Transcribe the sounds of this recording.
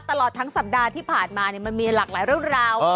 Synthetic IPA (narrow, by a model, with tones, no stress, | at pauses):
t̪a˧lɔː˨˩t̪ʰːŋsa˨˩p̚daː˧t̪ʰiː˥˩pʰaː˨˩nmaː˧ni˥˩ma˧nmiː˧laː˨˩k̚laː˩˦jɾɯ˥˩əŋɾaː˧w